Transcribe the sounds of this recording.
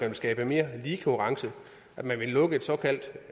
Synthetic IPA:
ænʋe̝lsɡ̥ɛːb̥əme̝ːɐliːkʰoʁɑ̈ŋsəð̩ˠ | ʔæd̥mænʋe̝lɔ̽ɡ̥əe̝d̥sɒ̽kʰæl̰d̥

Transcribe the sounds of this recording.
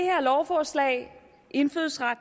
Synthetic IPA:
eheɐlɒʊfɒːslɛ̰ːɪ | ʔe̝nføːðˠsʁad̥

